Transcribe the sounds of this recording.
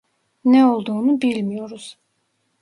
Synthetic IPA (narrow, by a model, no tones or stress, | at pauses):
nɛo̞lˠd̪uːnubilʲmijo̞ɾuz̥